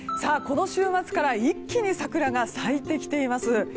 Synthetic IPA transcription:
saːko̞no̞ɕɨːmat͡sɨ̥kaɾaikʲːiɲ̟isakɯ̟ɾaɡasait̪ːe̞kʲi̥t̪e̞imasɨ

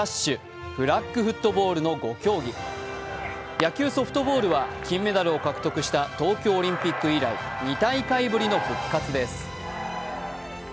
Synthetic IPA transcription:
aɕːɨ | b̥ɯ̟ɾakːɯ̟ɸɯ̟t̪ːo̞bo̞ːɾɯ̟no̞ɡo̞kʲo̞ːɡʲi | jakʲɨːso̞ɸɯ̥t̪o̞bo̞ːɾɯ̟βakʲĩmːe̞d̪aɾɯ̟o̞kakɯ̟̥t̪o̞kɯ̟ɕi̥t̪at̪o̞ːkʲo̞ːɾʲĩmpʲikːɯ̟iɾai | ɲ̟it̪aikaibɯ̟ɾʲino̞ɸɯ̟kːat͡sɨd̪e̞sɨ̥

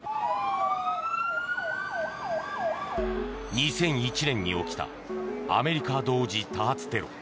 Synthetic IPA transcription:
ɲ̟isẽ̞ɰ̃it͡ɕinẽ̞ɲ̟ːḭo̞kʲi̥t̪a̰ | a̰me̞ɾʲikad̪o̞ːd͡ʑit̪aːt͡sɨ̥t̪e̞ɾo̞̰

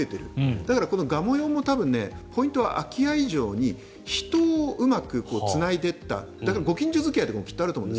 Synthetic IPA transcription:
et̪e̞ɾɯ̟̰d̪̥akaɾako̞no̞ɡamo̞jo̞ːmo̞t̪abɯ̟̃nːe̞̰pʰo̞ĩnt̪o̞βa̰ʔakʲijaiʑo̞ːɲ̟i | çi̥t̪o̞ːʔɯ̟makɯ̟ko̞ːt͡sɨnaid̪e̞t̪ːa̰ | d̪akaɾaɡo̞kʲĩɲ̟d͡ʑozɨkʲiajt̪ːekooki̥ːoaɾɯt̪omõndes

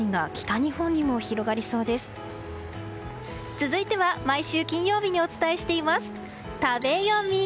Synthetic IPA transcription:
ĩŋɡakʲi̥t̪aɲ̟ihõ̞ɲ̟ːimo̞çiɾo̞ɡaɾʲiso̞ːd̪e̞sɨ̥ | t͡sɨzɨit̪e̞βamaiɕɨːkʲĩɰ̃jo̞ːbʲiɲ̟io̞t͡sɨ̥t̪ae̞ɕi̥t̪e̞imasɨ̥ | t̪abe̞jomʲi

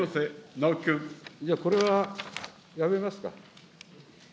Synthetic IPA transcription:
osenaokʲɯ̃d͡ʑaːko̞ɾe̞βa | jaβe̞masɨ̥ka̰

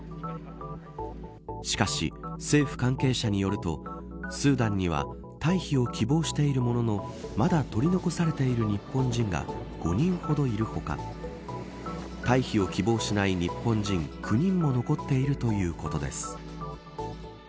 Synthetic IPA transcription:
ɕi̥kaɕḭse̞ːɸɯ̟̥kãŋke̞ːɕaɲ̟ijo̞ɾɯ̟t̪o̞̰ | sɨːd̪ãɲ̟ːiβ̞a̰ | t̪aiçio̞kʲibo̞ːɕi̥t̪e̞iɾɯ̟mo̞no̞no̞mad̪at̪o̞ɾʲino̞ko̞saɾe̞t̪e̞iɾɯ̟ɲ̟ipːõ̞ɲd͡ʑĩŋɡa̰ | ɡ̥o̞̰ɲ̟ĩɰ̃ho̞d̪o̞iɾɯ̟ho̞ka̰ | t̪aiçio̞kʲibo̞ːɕinaiɲ̟ipːõ̞ɲd͡ʑĩŋkʰɯ̟ɲ̟ĩmːo̞no̞ko̞t̪ːe̞iɾɯ̟t̪o̞jɯ̟ːko̞t̪o̞d̪esɨ̥

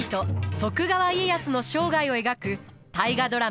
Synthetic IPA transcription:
t̪o̞t̪o̞kɯ̟ɡaβaiejasɨno̞ɕo̞ːɡaio̞e̞ɡakɯ̟ | t̪aiɡad̪o̞ɾa

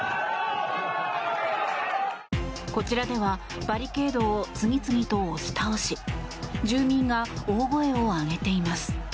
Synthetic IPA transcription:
ko̞t͡ɕiɾad̪e̞βa | b̥aɾʲike̞ːd̪o̞ːt͡sɨŋʲit͡sɨŋʲit̪o̞ːɕi̥t̪aoɕid͡ʑɨːmʲĩŋɡaoːɡo̞e̞o̞aɡe̞t̪e̞imasɨ̥

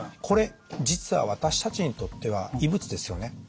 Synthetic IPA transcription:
kʰo̞ɾe̞d͡ʑit͡sɨβa̰β̞at̪aɕi̥t̪at͡ɕiɲ̟it̪o̞t̪ːe̞β̞a̰ibɯ̟t͡sɨd̪e̞sɨjo̞ne̞

